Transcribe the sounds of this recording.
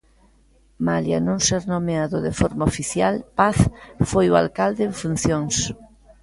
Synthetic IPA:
malja̰nõŋsɛɾnomeaðoðefoɾmaofiθjalpaθfojoa̰lkald̪eːɱfun̟θjõŋs

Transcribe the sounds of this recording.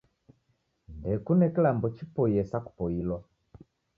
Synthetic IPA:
ndɛkunɛkilambɔt͡ʃipɔjɛsaku̥pɔilwa

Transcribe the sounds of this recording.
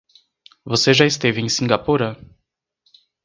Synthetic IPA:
voseʒajst̪eviŋsiŋɡapuɾə

